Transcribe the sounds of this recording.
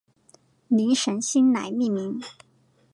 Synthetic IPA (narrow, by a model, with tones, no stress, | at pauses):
ni˧˥ŋʂə˧˥nɕi˥nna̰˧˥ɪmi˥˩mi˧˥ŋ